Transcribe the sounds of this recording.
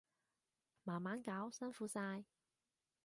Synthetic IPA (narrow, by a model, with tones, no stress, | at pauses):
maː˨˩nmaː˨˥nkaː˨˥wsɐ˥nfuː˨˥saː˧j